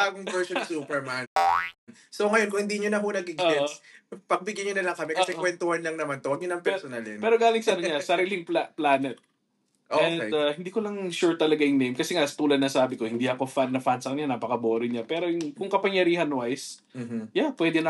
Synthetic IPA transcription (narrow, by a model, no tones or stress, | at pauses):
aːɡoŋvɛɹsonsupɛɹman | soŋɐjonkʊŋhɪnd̪iɲonɐɦonɐɡɪɡoɛspɐɡ̚bɪɡjaɲonɐlɐŋkɐmɛkʔɐsɛwɛnt̪ohanlɐŋnɐmant̪owɐɡ̚ɲonɐŋpɛsonalɛnpɛːɾoɡaːlɪŋsɐnoɲasɐɾiːlɪŋplaplaːnɛt̪̚ | ʔoɛnahɪnd̪iːkolɐŋʃʊɹt̪ːɐlɐɡajʊŋnejmkɐsɛŋasɐt̪uːlɐd̪nɐsaːbɪko̞hɪnd̪iɐkofannɐfansɐk̪ɲanaːpɐkɐboːɾɪɲapɛːɾojʊkʊŋkɐpɐŋjɐɾiːhɐnwajs | japwɛːd̪ɛnɐ